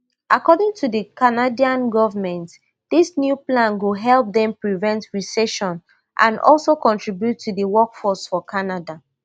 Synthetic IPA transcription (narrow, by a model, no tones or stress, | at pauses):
ʔakɔdɪ̃ŋtʰuðəkʰanadiãnɡɔvəmɛ̃nt | ðisnjuplãnwuɦɛlˠp̚ðɛ̃mpɹivɛ̃ntɹisɛʃɔ̃n | ʔã̰nɔ̰lˠsokɔ̃ntʰɹibjutʰːudəwɔkfɔsfɔkʰanada